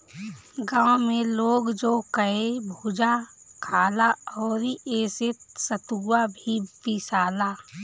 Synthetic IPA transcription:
ɡãːwmẽloːɡd͡ʒokəebʱuːd͡ʒa | kʰaːlaɔːɾieːsɪt̪sət̪uːabʱipɪsaːlaː

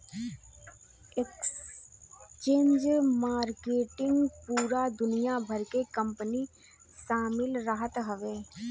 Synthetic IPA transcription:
eks | t͡ʃẽːɲd͡ʒmaːɾkeːʈɪ̃ŋɡpuːɾad̪ʊnijabʱɐɾkekə̃mpəni | ʃaːmɪlɾəɦət̪ɦɐʋeː

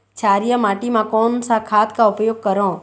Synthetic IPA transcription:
t͡ʃʰaːɾijəmaːʈimãkɔːnsakʰaːt̪kaʊpjoːɡ̚kɐɾõː

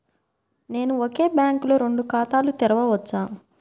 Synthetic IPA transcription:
ne̞ːnuoke̞ːbjaːŋkloːɾe̞ɳɖukaːt̪aːlut̪ɛɾɐʋɐʋɐt͡ʃːaː

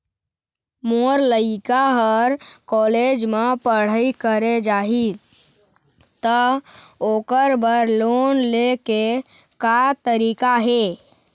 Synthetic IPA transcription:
moɾləɪkaɦəɾkɔːled͡ʒmepəɽ̤əikəɾed͡ʒaːɦi | t̪əoːkəɾbəɾlonleke | kat̪əɾiːkaɦe

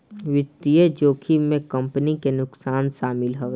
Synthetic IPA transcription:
ʋɪt̪ːijəd͡ʒoːkʰimẽkɐ̃mpnikenʊksaːnʃaːmɪlɦoːɡ

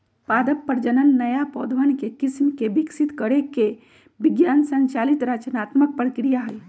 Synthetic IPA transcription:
pad̪əpːəɾd͡ʒənənːəjapɔd̪ʋənkekismkebiksit̪kəɾekːe | biɡjansənt͡ʃalit̪ɾət͡ʃənat̪mək̚pɾəkɾijaɦəj

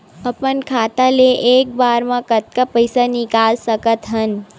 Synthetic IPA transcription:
əpənkʰaːt̪aleʔeːk̚baːɾmãkət̪̚kapəjsanɪkaːlsəkət̪ɦən

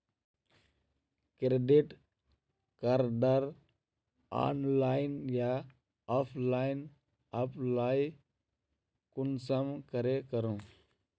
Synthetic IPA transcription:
kɾeɖiʈ | kaɾɖəɾ | a̰ːnlaːɪnja | ɔpʰlaːɪn | apʰlaːj | kʊnsəmkəɾekəɾũ

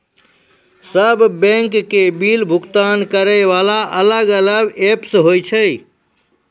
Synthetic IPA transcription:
səbʱbɛ̃ŋkːebilbʱukt̪ankəɾəjʋalaʔələɡələɡepsɦojt͡ʃʰəj

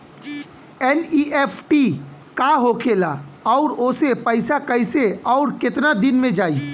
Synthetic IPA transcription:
ɛnieːpʰʈikaɦoːkʰeːlaɔʊɾoːsepəɪsakəɪseɔʊɾkɪt̪nad̪ɪnmẽd͡ʒaːiː

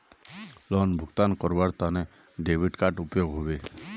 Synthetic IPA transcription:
lɔnbʱuɡt̪ankɔɹbaɹt̪anɛ | ɖebʱiʈkaʈupjoɡɦobe

